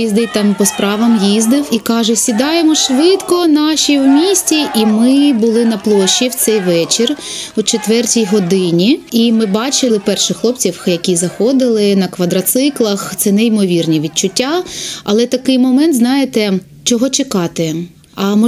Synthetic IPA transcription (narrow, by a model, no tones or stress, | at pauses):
izd̪ɪjt̪ɑmpɔspɾɑʋɐmjizd̪ɪwikɑʒʊsʲid̪ɑjemɔʃʋɪt̪kɔnɑʃʲiwmʲisʲtʲiʔimɪbʊlˠɪnɐplˠɔʃːiwt̪sɛjʋɛt͡ʃɪrut͡ʃet̪ʋɛrtʲijɦɔd̪ɪnʲiimɪbɑt͡ʃɪlˠɪpɛrʃɪxlˠɔpt͡sʲiwjɐkʲizɐxɔd̪ɪlˠɪnɐkʋɐd̪ɾɐt̪sɪklˠɐxt̪sɛnɛimɔʋʲirnʲiʋʲid̪̚t͡ʃʊtʲːaɐlˠɛt̪ɐkɪjmɔmɛnt̪znɑjɪt̪ɛ | t͡ʃɔɦɔt͡ʃɪkɑt̪ɪ | ɐmɔ